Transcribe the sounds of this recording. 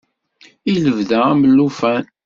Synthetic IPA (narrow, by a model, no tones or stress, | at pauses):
iləvðææməlːufæn